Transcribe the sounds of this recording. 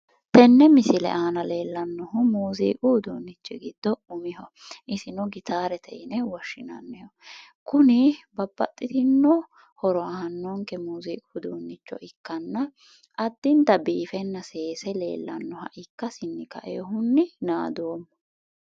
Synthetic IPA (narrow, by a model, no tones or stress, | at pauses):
t̪ɛnːɛmɪsɪlɛ̰ʔaːnɐle̞ːlːɐnːɔɦʊmuːzḭːʔuːd̪oːnːɪt͡ʃːɛɡɪd̪̥ːɔʊmɪɦɔ | ʔɪsɪnɔɡɪt̪ʰaːɾɛt̪ʰɛ̰ʔɪnɛwɐʃːɪnɐ̰nːɛhɔ | kʊnɪbɐbːɐ̰t̪ʼːɪt̪ɪnːɔ | hɔɾɔɐhɐnːɔŋkɛmuːziːʔud̪oːnːɪt͡ʃːɔ̰ʔɪkːɐnːɐ | ʔɐd̪ːɪnt̪ɐbiːfɛnːɐseːsɛle̞̰ːlːɐnːɔhɐ̰ʔɪkːɐsɪnːɪkɐ̰ʔeːhʊnːɪnaːd̪oːmːɔ